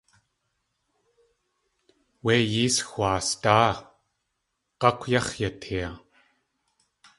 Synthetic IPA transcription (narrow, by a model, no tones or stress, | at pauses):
wejiːsxʷaːst̪aː | qɑkʷʰjɑχjat̪ʰhia